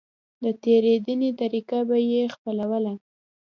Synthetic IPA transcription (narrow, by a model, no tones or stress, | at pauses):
d̪ət̪eɾed̪ənet̪aɾikabajexpəlawəla